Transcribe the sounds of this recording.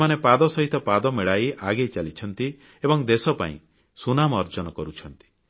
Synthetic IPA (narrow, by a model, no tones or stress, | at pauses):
manepad̪ɔsɔɦit̪ɔpad̪ɔmeɭajʔaɡejt͡ʃalit͡ʃʰɔn̪t̪i | ebɔŋd̪esɔpa̰ḭ̃ | sunamːɾd͡ʒɔnɔkɔɾut͡ʃʰɔnt̪i̥